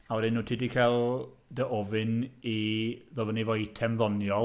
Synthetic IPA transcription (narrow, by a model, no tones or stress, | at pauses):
awɛdɪnːuːtʰidikʰalˠ | dəʔɔvɪniðɔðənivɔitʰɛmðɔnjɔ